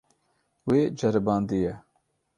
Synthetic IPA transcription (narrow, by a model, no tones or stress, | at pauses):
weːd͡ʒɛɾɨbɑːnd̪ijɛ